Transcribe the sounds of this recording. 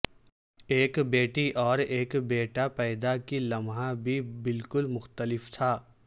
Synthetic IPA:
eːkbeːʈiʔɔːɾeːkbeːʈapɛːd̪akilɐmɦãbʱibɪlkʊlmʊxt̪əlɪft̪ʰaː

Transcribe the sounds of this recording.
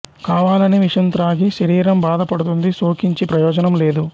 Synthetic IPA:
kaːʋaːlɐniʋiʂɐnt̪ɾaːɡiʃɐɾiːɾɐmbaːd̪ɐpɐɽut̪̬und̪isoːkiɲt͡ʃipɾɐjɔːd͡ʒɐnɐmle̞ːd̪u

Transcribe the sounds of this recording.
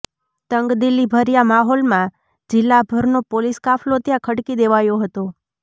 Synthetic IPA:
t̪əŋɡd̪ɪlːibʱəɾijamaɦolmã | d͡ʒɪlːabʱəɾnopoliskaflot̪jãkʰəɽkid̪eʋajoɦət̪o

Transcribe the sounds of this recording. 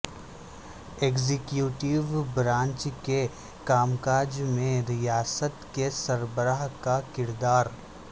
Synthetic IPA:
eːɡzɪkjuːʈɪʋbɾãːɲt͡ʃke | kaːmkaːd͡ʒmẽɾɪjaːsət̪kesɐɾbəɾaːɦkakɪɾd̪aːɾ

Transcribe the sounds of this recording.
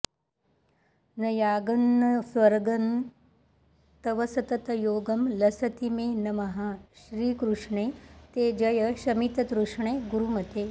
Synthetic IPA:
nɐjaːɡɐnːɐsʋɐɾɡɐn | t̪ɐʋɐsɐt̪ɐt̪ɐjoːɡɐmlɐsɐt̪imeːnɐmɐɦaʃɾiːkɾuʂɳeːt̪eːd͡ʒɐjɐʃɐmit̪ɐt̪ɾuʂɳeːɡuɾumɐt̪eː

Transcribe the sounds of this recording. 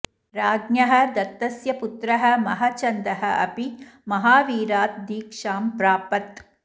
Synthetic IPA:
ɾaːɡnjɐɦɐ̆d̪ɐt̪ːɐsjɐput̪ɾɐɦɐ̆mɐɦat͡ʃɐnd̪ɐɦɐʔɐ̰pimɐɦaːʋiːɾaːt̪̚d̪iːkʂaːmpɾaːpɐt̪

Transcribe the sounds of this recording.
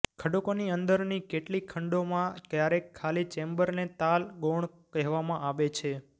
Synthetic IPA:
kʰəɖukoniənd̪əɾnikeʈlikʰəɳɖomãkjaɾekʰːalit͡ʃembəɾnet̪alɡoɳ | kəɦʋamãʔaʋet͡ʃʰe

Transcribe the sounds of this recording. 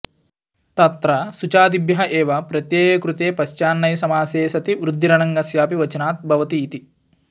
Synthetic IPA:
t̪ɐt̪ɾɐsut͡ʃaːd̪ibjɐɦɐʔeːʋɐpɾɐt̪jeːjɐkɾut̪eːpɐʃt͡ʃaːnːɐjsɐmaːseːsɐt̪iʋɾud̪ʱːiɾɐɳɐŋɡɐsjaːpiʋɐt͡ʃɐnaːt̪̚bʱɐʋɐt̪iːt̪i

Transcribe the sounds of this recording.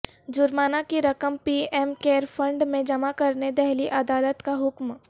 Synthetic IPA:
d͡ʒʊɾmaːnakiɾɐkəmpiɛːmkeːɾfʰə̃ɳɖmẽd͡ʒɐmakɐɾned̪ɛɦliʔɐd̪aːlət̪kaɦʊkm

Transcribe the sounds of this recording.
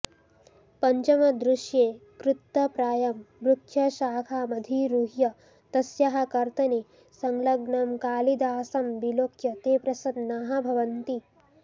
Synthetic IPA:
pɐɲt͡ʃɐmɐd̪ɾuʃjeːkɾut̪ːɐpɾaːjɐmbɾukʰjɐʃaːkʰaːmɐd̪ʱiɾuːɦjɐ | t̪ɐsjɐɦɐ̆kɐɾt̪ɐni | sɐŋlɐɡɳɐmkaːlid̪aːsɐmbiloːkʰjɐt̪eːpɾɐsɐnnaːɦɐbʱɐʋɐnt̪i

